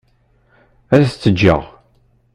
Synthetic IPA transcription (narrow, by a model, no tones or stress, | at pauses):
æɾθt͡sːəd͡ʒːə̰ʁ